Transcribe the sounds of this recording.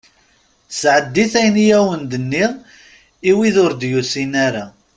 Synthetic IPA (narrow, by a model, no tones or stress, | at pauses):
sʕəd̪ːiθæjnjæwənd̪ənːiʁ | iwiðʊɾd̪jusinæɾa